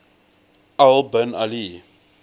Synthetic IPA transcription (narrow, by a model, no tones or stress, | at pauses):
albənali